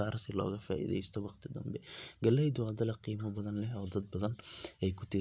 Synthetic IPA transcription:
aːɾsɪlɔ̰ːɣɐfa̰ːʔḭːðɛ̰jst̪ʰɔwɑqt̪ʰɪd̪ɐ̰mbɛɡɐlːɛjd̪ʊwad̪ɐlɐqiːmɐbɐðɐnlɛɦɔːd̪ɐd̪̚bɐðɐnɛjkʰʊ̥t̪ʰɪ

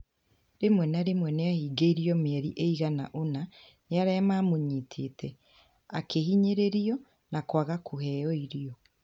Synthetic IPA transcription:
ɾemwɛnaɾemwɛneahiːɡeiɾiɔmeɛɾiʔeiɣana̰ʔona | neaɾɛːmaːmoɲitʰetʰɛ | akehiɲeɾeɾiɔ | nakwaɣakʰohɛːjɔiɾiɔ

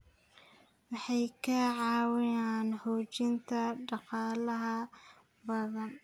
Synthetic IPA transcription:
wɑħɑjkʰɐʕɑːwɪjaːnhɔːt͡ʃɪnt̪ʰɐɖɑqɑːlɐɦɐ | bɐðɐn

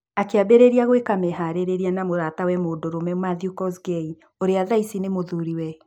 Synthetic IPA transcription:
akeabeɾeɾiaɣwekamɛɦaɾeɾeɾianamoðatawɛmoːdoɾomɛmaðiukɔsɡei | oɾeaðaisinemoðuɾiwɛ

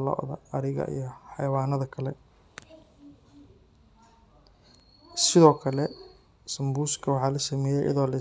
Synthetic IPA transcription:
lɔ̰ːʔðɐ̰ɐɾɪɣɐ̰ʔḭjɞħɑjɐwaːnɐðɐkʰɐlɛ | sɪðɔːkʰɐlɛ | sɐmbuːskʰɐwɑħɑːlɐsɐmɛːjɛjʔɐ̰ðɔːlɐ

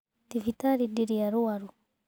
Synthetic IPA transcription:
tivitaɾidiɾiaɾuaɾu

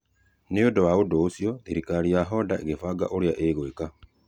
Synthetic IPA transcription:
neodowaodoːsjoeɾikaɾiaɦɔdaeɣefaɡa̰ʔoɾjaʔeɣweka

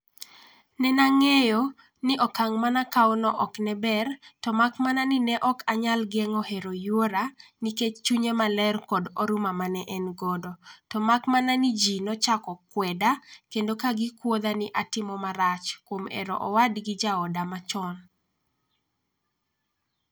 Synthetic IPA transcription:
nɛnaŋejo | nɪʔɔkaŋmanakaɔnɔʔɔknɛbɛrtɔmakmananinɛʔɔkaɲalɡɛŋɔheɾojuoɾaniket͡ʃt͡ʃuɲemalɛrkɔdɔɾumamanɛʔɛnɡɔdɔtɔmakmananid͡ʒinɔt͡ʃakɔkwɛdakendokaɡɪkwod̪anɪʔatɪmɔmaɾat͡ʃkwomɛ̰ɾɔ̰ʔɔwadɡɪd͡ʒaɔdamat͡ʃɔn

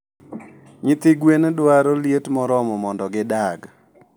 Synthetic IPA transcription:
ɲɪt̪ɪɡwendwaɾoljetmɔɾɔmɔmɔndɔɡɪdaɡ

